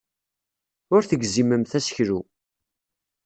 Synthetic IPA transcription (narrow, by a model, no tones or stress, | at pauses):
ʊɾθəɡziməmθæsə̥çɾu